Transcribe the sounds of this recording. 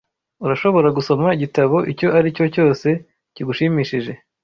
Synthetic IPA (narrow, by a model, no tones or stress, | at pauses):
uɾaʃo̞βo̞ɾaɡuso̞maiɟitaβo̞ʔico̞ʔaɾico̞co̞ːse̞ | ciɡuʃimiːʃiʒe̞